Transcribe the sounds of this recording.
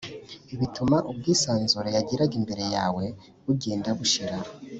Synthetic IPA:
iβitumaʔub̚ɡiːsaːnzuɾejaɟiɾaɡimbe̞ɾe̞jaːwe̞ | βuɟe̞ːndaβuʃiɾa

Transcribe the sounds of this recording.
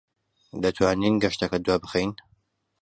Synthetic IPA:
d̪ɐt̪ʰwaːninɡɐʃt̪ɐkɐd̪waːbɨxejn

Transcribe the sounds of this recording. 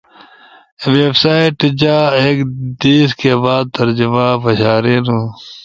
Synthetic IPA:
weːbsaːiʈd͡ʑaːeːkd̪iːskeːbaːd̪̚t̪ɐɾd͡ʑumãːbɐɕaːɾeːnũː

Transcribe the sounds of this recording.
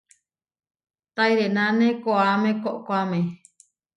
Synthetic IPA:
t̪aiɾenãnẽkoaɾamẽkoʔkoamẽ

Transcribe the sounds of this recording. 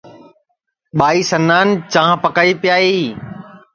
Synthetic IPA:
ɓaːiːsənaːnt͡ʃãːpəkaːiːpɪjaːiː

